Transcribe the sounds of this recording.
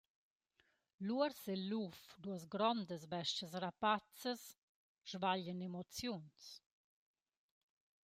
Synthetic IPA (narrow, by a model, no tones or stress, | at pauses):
luəɾselːufd̪uəzɡɾɔnd̪əs̬bɛʃcəs̬rapat͡səs | ʒ̥vaʎənemɔt͡sjuns